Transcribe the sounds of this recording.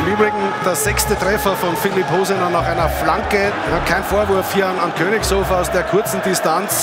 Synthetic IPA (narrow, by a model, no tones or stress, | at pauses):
ɪmyːbʁɪɡŋ̩d̥eːɐzɛçstətʁ̥ɛfɐfɔnfɪlipɦoːzənanaχaɪnɐflaŋkə | kʰaɪnfoːɐvʊɐfhiːɐanankʰøːnɪçshoːfaʊsd̥eːɐkʰʊɐt͡sn̩dɪstant͡s